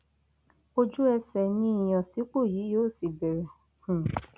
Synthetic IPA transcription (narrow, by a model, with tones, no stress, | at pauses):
o˦d͡ʒu˦ɛ˧sɛ˨nĩ˦i˨j̃ɔ̃˨si˨˦k͡po˦˨jiː˨˦joː˦˨si˨bɛ˨ɾɛ̃˨